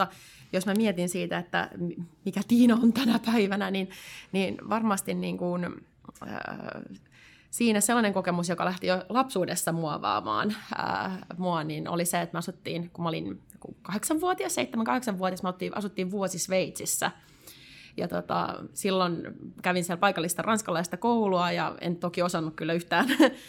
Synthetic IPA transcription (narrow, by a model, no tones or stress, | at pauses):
ɑ | josmæmiet̪insiːt̪æet̪ːæ̰mmikæt̪iːnæont̪ænæpæiʋænæninniːnʋɑrmɑst̪inniːŋkun̰ | siːnæselːɑneŋkokemusjokɑlæht̪ijolɑpsuːdesːɑmuɑʋɑ̰ːmɑ̰ːnə̰muɑnino̰liseet̪mɑsut̪ːiːnkumːolḭnkṵkɑheksɑʋʋuot̪iɑsseit̪ːæmæŋkɑheksɑʋʋuot̪iɑsmɑt̪ːiʔɑ̰sut̪ːiːʋʋuosisʋeit̪sisːæ̰ | jɑ̰t̪ot̪ɑ̰silːonkæʋinsiælpɑikɑlːist̪ɑrɑnskɑlɑist̪ɑkouluɑjɑ̰ḛnt̪okiosɑnːukkylːæyht̪æːn